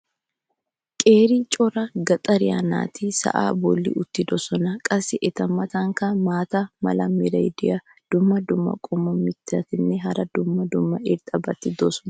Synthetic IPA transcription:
kʼe̞ːɾit͡ʃʼɔɾɐɡɐt̪ʼɐɾɪja̰na̰ːt̪ʰɪsɐ̰ʔa̰ːbɔlːḭʔʊt̪ːɪd̪ɔsɔnɐkʼɐsːɪʔɛt̪ɐmːɐt̪ɐŋkɐmaːt̪ɐmɐ̰lɐmɪɾɐjd̪ɪjɐ | d̪̥ʊmːɐd̪ʊmːɐ̰kʼʊmːɐmɪt̪ːɪɐt̪ɪnːɛɦɐɾɐd̪ʊmːɐd̪ʊmːɐɪɾt̪ʼɐbɐt̪ːɪd̪osɔ̥nɐ

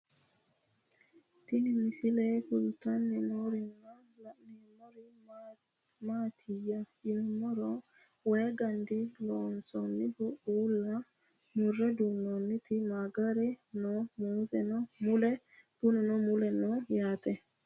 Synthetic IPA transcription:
t̪inimisilɛkultanːimoɾina | nimoɾi | matʰijajinmɔɾɔ | wɛɡandilɔnsɔnːibuulːa | muɾedunonːit̪imaɡaɾɛnɔmuzɛnɔmulɛ | b̥unɛnɔmulɛnɔjatɛ

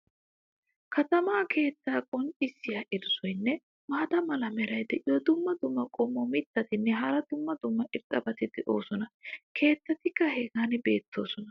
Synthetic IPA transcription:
kʰɐt̪ɐmaːkʰe̞ːt͡sːaːkʼɔnt͡ʃʼɪsːɪjɐʔɪd̪ʊsɔjnːɛ | maːt̪ɐmɐlɐmɛɾɐjd̪ɛʔɪjɔd̪ʊmːɐd̪ʊmːɐkʼɔmːɔmɪt̪ːɐt̪ɪnːɛɦɐɾɐd̪ʊmːɐd̪ʊmːɐʔɪɾt̪ʼːɐbɐt̪ɪd̪ɛʔo̞̰ːsɔnɐkʰe̞ːt̪ːɐt̪ɪkːɐheːɡaːnɪbe̞̰ːt̪ːo̞̰ːsɔnɐ

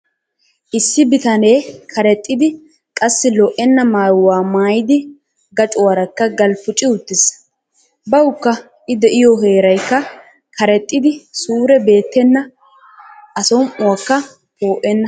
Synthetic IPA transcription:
ʔɪsːɪbɪt̪ɐneːkʰɐɾɛt̪ʼːɪd̪ɪ | kʼɐsːɪlɔʔɛnːɐmaːjwaːmaːjɪd̪ɪ | ɡɐt͡ʃʼʊwɐɾɐkːɐɡɐlpʊt͡ʃʼɪʊt̪ːɪs | bɐwʊkːɐ | ʔɪd̪ɛʔɪjɔɦeːɾɐjkːɐ | kʰɐɾɛt̪ʼːɪd̪ɪsuːɾɛbe̞ːt̪ːɛnːɐ | ʔɐsɔmʊwɐkːɐ | poːʔɛnːɐ

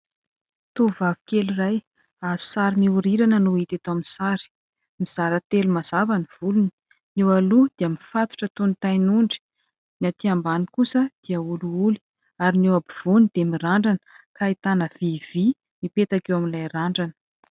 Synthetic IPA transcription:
t̪uvavi̥keliraj | azu̥saɾimiuɾiɾanənuit̪et̪aminsaɾi̥ | miz̥aɾət̪elumaz̥avaniv̥uluni̥ | newalud̪̥eamifat̪u̥ʈ͡ʂət̪unit̪ajnuɳɖ͡ʐi̥ | nat̪iambanikusəd̪̥iəuluuli̥ | aɾinewabiv̥unid̪̥emiraɳɖ͡ʐanə̥ | kait̪anəv̥iv̥i | mipet̪akewaminlajraɳɖ͡ʐanə̥

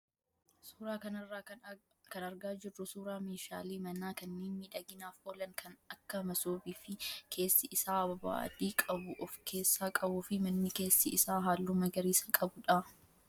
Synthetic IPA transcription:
suːɾaːkɐnɐrːaː | kɐnɐɾɡaːd͡ʒɪrːʊsuːɾaːmeːʃa̰ːliːmɐnaːkɐnːeːnmiːᶑɐɡɪnaːfoːlɐŋkʰɐnɐkːɐmɐsoːbiːfɪkʰe̞ːsːɪʔɪsaːɐba̰ːd̪iːkʼɐbʊʔɔfkʰe̞ːsːaːkʼɐbuːfɪmɐnːɪke̞ːsːɪʔɪsaːɦaːlːuːmɐɡɐɾiːsɐkʼɐbʊᶑɐ

